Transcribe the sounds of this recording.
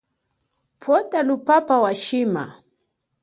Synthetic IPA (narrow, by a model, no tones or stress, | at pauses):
pʰɔtalupapawaʃima̰